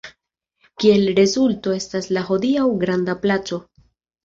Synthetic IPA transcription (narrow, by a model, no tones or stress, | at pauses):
kie̞lɾe̞zulto̞e̞staslaɦo̞diawɡɾandaplat͡so̞